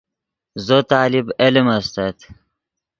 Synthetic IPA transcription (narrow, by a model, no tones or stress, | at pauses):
zot̪aːlibelimɐst̪ɐt̪